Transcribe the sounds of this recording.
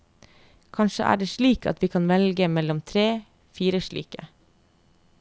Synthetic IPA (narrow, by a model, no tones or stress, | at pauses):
kʰɑnʃə̰ʔæ̰ːɖeːʃɭiːkɑ̰t̪ʋiːkʰɑnʋɛlɡəmɛlɔmt̪ʰɾeː | fiːɾəʃɭḭːkə̰